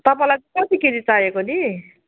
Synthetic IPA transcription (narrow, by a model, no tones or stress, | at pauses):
t̪ʌpãlajt͡sʌkʌt̪ikenit͡saekoni